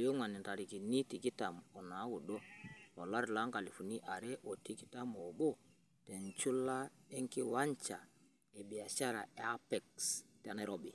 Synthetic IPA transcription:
jo˦ŋa˨ni˨nta˨ɾi˨ki˨ni˦ti˨ki˦ta˨mɔ˨na˨˦wu˨ɗo˦o˨la˦ɾla˦ŋka˨li˨fu˨ni˦ʔa˨ɾɛ˦ʔo˨ti˦ki̥˦ta˦mo˨ɓo˦ | te˨nt͡ʃu˦la˦e˦ŋki˦wa˦ɲt͡ʃa˨ | e˨bi˨a˨ʃa˦ɾa˨e˦a˦pɛ˨ksta˨˦na˦ɾo˦bi˨

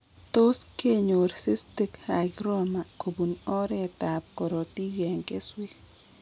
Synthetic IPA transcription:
t̪o˦ske˦ɲo˨ɾsi˦st̪i˦ka˨ɡɾɔ˦ma˨ko˨bu˨nɔ˦ɾe˦t̪a˨p̚kɔ˨ɾo˨t̪i˦ɡe˨ŋke˦swi˦

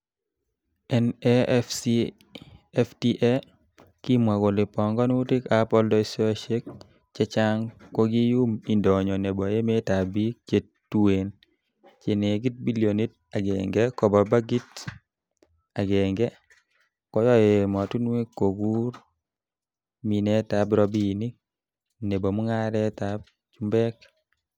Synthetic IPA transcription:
ɛ˦nɛfsi | ɛ˦fti˦ʔɛ˦ | ki˦mwa˨ɡo˨lɪ˨pɔ˨ŋɡɔ˦nu˦tɪ˦ka˨pɔ˦ldɔ˦i˦sɔ˦a˦ʃe˦k̚ | t͡ʃɛ˦t͡ʃa˦ŋkɔ˦ɡi˦ju˦mi˨ndɔ˨ɲɔ˨nɛ˨bɔ˨je˦me˦ta˨bi˦t͡ʃe˨ttːu˦e˨n | t͡ʃe˨ne˨ɡi˦t̚bi˦lijo˨ni˦t̚ | a˨ɡɛ̰˨ŋɡɛ˦kɔ˨ba˨ba˦ɡi˦t | a˨ɡɛ˨ŋɡɛ˦ | kɔ˦jɔ˦je˨mɔ˨tu˦nwe˦kːo˨ɡu˦ɾ | mi˨nɛ˦ta˨˦bɾɔ˦bi˦ni˦ | ne˨bo˨mu˦ŋa˦ɾɛ˦ta˨b̚ | t͡ʃu˦mbɛ˦k

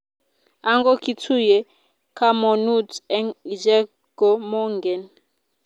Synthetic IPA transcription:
a˦ŋɡɔ˦ki˦tʰu˦jɛ˨ | kʰa˦mɔ˨nu˦tɛ˦ŋi˨d͡ʒɛ˦ | ɡ̥ɔ˨mɔ˦ŋɡɛ˨n

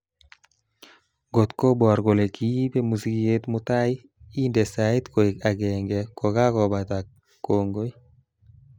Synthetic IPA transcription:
ɡo˨t̪ko˦bwa˨ɾko˨le˨kʰi˦pe˦mu˨si˦ke˦t̪mʊ˦ta˦i˦ | i˦nde˨sa˨ɪ˦tko˨i˨ka˨ɡɛ˨ŋɡɛ˨kɔ˨ɡa˦kɔ˨ba˨t̪a˨kː | o˨ŋɡo˦i˦

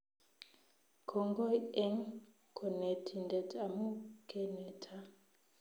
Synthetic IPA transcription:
kʰɔ˨ŋɡɔ˦jɛ˦ŋ | kʰɔ˨ne˨tʰi˨ndɛ˨tʰa˨mu˦kʰɛ˨nɛ˨tʰa˦

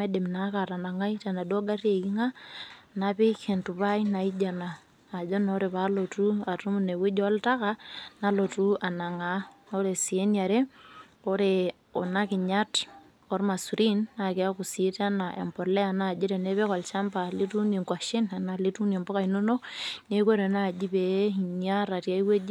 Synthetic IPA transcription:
a˦de˨mna˨ka˨ɾa˨na˨ŋa˦jta˨na˨do˦ɡa˦rje˨ki˦ŋa˦nape˦ke˨ntu˨βa˦ina˨i˦d͡ʒa˨naː˨ | d͡ʒo˦no˦ɾe˨βa˨˦lo˨tua˨tu˦mu˨ne˨wi˦d͡ʒɔ˦lta˦ka˦na˦lo˨tu˦a˨na˨ŋa˨˦o˦ɾe˨si˨e˦nja˨ɾe˦ | ɔ˦ɾe˨ | ɔ˨na˦kɪ˨ɲa˦t | ɔ˦ɾma˨su˨ɾi˦nːa˨ke˨a˦ku˨si˦ta˦na˨ʔḛ˨mpɔ˨lɛ˦a˨na˦˨d͡ʒi˦ɾɛ˨ne˦βe˦kɔ˨lt͡ʃa˦mpa˨li˦tu˦ne˨ŋkwa˨ʃɪ˦na˨na˨li˦tu˦ne˨mbɔ˦ka˨ino˦no˦ne˦ko˦ɾe˨na˦˨d͡ʒi˦be˨˦i˨ɲa˦ɾa˨tja˦i˦we˦d͡ʒ

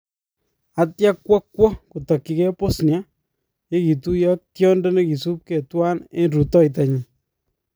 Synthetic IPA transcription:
a˨tja˦kːwɔ˦kːwɔ˦ku˨tɔ˨kːi˦ke˦po˦snja˦ | je˦ki˨tu˦jɔ˦k̚tjɔ˦ndɔ˦ne˦ki˨su˦p̚ke˨twa˦ne˦nɾu˨tɔ˦i˨t̬a˨ɲi˨

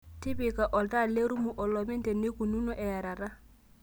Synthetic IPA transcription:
ti˦bi˨ka˨ʔɔ˨lta˦le˦ɾu˦mu˨ʔɔ˨lɔ˨mɛ˦nte˨ne˦ku˨nu˦nɔ˦ʔɛ˨ja˨ɾa˨ɾa˦

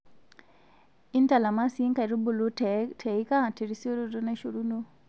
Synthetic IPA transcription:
i˦nta˨la˨ma˦si˦ŋka˨ɾu˦bu˨lu˦tʰe˨i˦ka˦˨te˨ɾi˦so˦ɾo˦ɾo˦na˦ʃo˨ɾu˦no˦

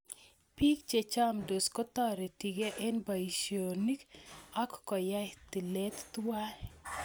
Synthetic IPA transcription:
pi˦k̚t͡ʃe˨t͡ʃa˦mdo˨skɔ˦t̪ɔ˦ɾe˨ti˨ɡe˦ʔɛ˦nba˨i˨ʃo˨ni˦kɔ˦kːɔ˨ja˦t̪i˨lɛ˦t̪twa˦

